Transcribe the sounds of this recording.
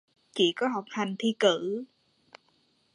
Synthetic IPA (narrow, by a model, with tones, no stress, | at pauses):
t͡ɕḭ˧˨kɔ˨˦ɦa˨˩wk͡p̚ha˨˩jŋ̟t̪ʰi˧kɨ˧˩